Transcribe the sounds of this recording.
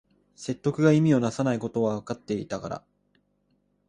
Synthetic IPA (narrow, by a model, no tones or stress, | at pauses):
se̞t̪ːo̞kɯ̟ɡaimʲio̞nasanaiko̞t̪o̞βaβakat̪ːe̞it̪aka̰ɾa̰